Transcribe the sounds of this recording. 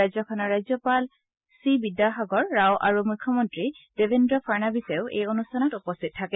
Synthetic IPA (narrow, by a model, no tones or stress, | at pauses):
ajzɔkʰɔnɔɹajzɔpal | sibidjaxaɡɔɹːawʔa̰ɹumujkʰːɔmɔntɹid̥ebʱendɹɔpʰaɹnabiseʊʔḛjonustʰanɔtupɔstʰit̚tʰːakɛ